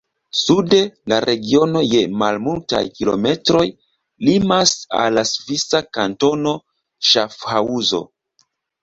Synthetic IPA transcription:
sude̞laɾʔe̞ɡio̞no̞je̞malmulta̰jkilo̞̰me̞tɾo̞j | limasa̰lːasvisakanto̞no̞ | ʃafhauzo̞̰

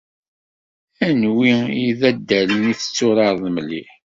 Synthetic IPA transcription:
ænwiiðæd̪ːæləniθə̥t͡sːʊɾɑɾˤðmliħ

